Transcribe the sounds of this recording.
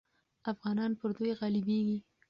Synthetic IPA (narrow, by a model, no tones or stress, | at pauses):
afɣɑnɑnpəɾd̪ojɣɑlɪbeɡi